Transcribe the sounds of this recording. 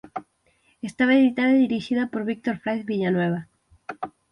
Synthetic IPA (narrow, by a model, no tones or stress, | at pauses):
est̪aβaeðit̪aðaiðiɾiʃiðapoɾβik̚t̪oɾfɾajθβiʎanweβ̞a